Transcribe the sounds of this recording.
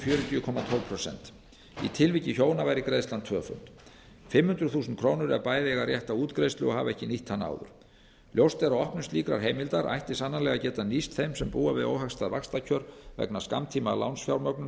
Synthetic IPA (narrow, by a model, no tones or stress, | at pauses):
fjœːɾʏt̪ʏʏkʰɔmat̪ʰɔlpʰɾɔsɛ̰nt̪ | it̪ʰɪlvicːɪçoːwnavaːjɾɪkɾejstlant̪ʰvœːfʏ̰n̥t̪ | fɪmhʏnd̪ɾʏθuːsʏnt̪̚kʰɾownʏɾɛ̰paːjðɪɛɣarjɛht̪auːt̪kɾejst̪lʏɔɦa̰vɛhcɪniht̪ʰːana̰ːwðʏ̰ɾ̥ | ljowst̪ɛɾawɔhpnʏmst̪iːkɾa̰ɾ̥ɦejmɪlt̪aɾʔa̰jht̪ɪsanːanlɛɣacɛːt̪anist̪θejmsɛmpuːavɪðo̰wɦakst̪aðvakst̪acʰœɾvɛ̰knḁska̰mt̪ʰiːmala̰wnsfjawɾmœk̚nʏm